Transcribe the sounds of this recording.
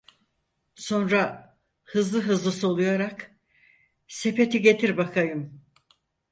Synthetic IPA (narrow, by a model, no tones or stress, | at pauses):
so̞nɾa | hɯzlˠɯɦɯzlˠɯso̞lˠujaɾak | se̞pe̞t̪iɟe̞t̪ʰiɾbakʰajɯm